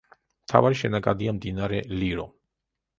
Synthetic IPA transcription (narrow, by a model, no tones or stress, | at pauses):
mt̪ʰa̰vaɾiʃɛnakʼad̪iamd̪inaɾɛliɾɔ